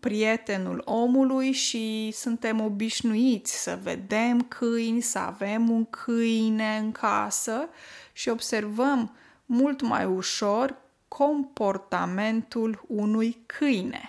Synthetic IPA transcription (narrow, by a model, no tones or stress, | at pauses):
pɾie̞t̪e̞nṵlo̞mulujʃisunt̪e̞mo̞biʃnuit̪sʲsə̰ve̞̰d̪e̞mkʰɨjnʲsəa̰ve̞muŋkʰɨjne̞ɨŋkʰasəʃio̞bse̞rvəmː | ult̪ma̰juʃo̞rʲ | kʰo̞mpo̞rt̪a̰me̞nt̪ulunujkʰɨjne̞̰